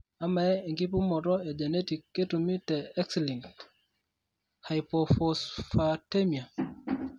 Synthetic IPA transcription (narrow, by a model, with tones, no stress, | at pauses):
a˦mːa˨ɛ˦ŋki˦pu˦mɔ˨tɔɛd͡ʒe˨neti˨kːetumi˦tɛɛ˦ksli˨ŋt | hajpɔfɔsfatemia˨